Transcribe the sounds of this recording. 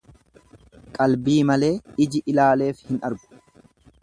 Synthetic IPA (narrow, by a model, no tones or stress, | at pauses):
kʼɐlbiːmɐle̞ːɪd͡ʒɪʔɪlaːle̞ːfhɪnɐ̰ɾbʊ̥